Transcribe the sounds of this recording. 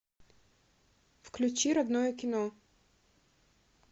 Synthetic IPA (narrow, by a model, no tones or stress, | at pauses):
fklʲʉt͡ɕiɾɐd̪nojəkʲɪno